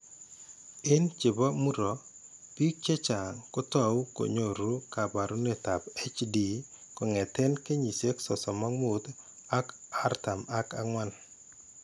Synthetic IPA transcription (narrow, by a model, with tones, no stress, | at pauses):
ɪ˦nt͡ʃɪ˨bɔ˦mu˦ɾɔ˨ | pi˦k̚t͡ʃe˦t͡ʃa˨ŋkʊ˦t̪a˨wu˦ko̰˨ɲo˦˨ɾu˦ka˨ba˨ɾu˦ne˨t̪a˨pe˦t͡ʃdi˨ | kɔ˨ŋɛ˨t̪ɛ˦nke˦ɲi˨se˦ksɔ˨sɔ˨ma˦ŋu˨t̪ | a˦ka˦rt̪a˨ma˦ka̰˦ŋwa˦n